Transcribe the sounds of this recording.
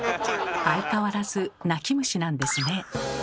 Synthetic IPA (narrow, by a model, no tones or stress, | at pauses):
ait̪aβaɾazɨnakʲimɯ̟ɕinãnd̪e̞sɨne̞